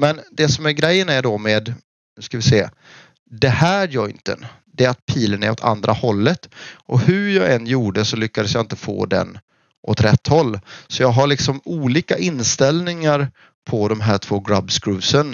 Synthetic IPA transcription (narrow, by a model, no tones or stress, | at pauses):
mɛnd̪ɛsɔmæɾɡɾɛjːənæɖɔmeːd̪ | nɵskavɪseː | d̪ɛhæːɾjɔʏnt̪ə̰n | d̪ɛat̪̚pʰiːlənæɾɔt̪ʰa̰nd̪ɾʔahɔlːət̪ʔɔhɵjɑːɡɛnjuːɖəsɔlʏkːad̪əsjɑaːɪnt̪əfo̰ːd̪ɛ̰n | ʔɔt̪ɾɛt̪ːhɔlːsɔjɑːɡɦaɭɪksɔmuːliːkaʔɪnːst̪ɛlnɪŋaɾ | pʰɔd̪ɔmɦæːʈʰv̥oːɡɾabskɾʉːsən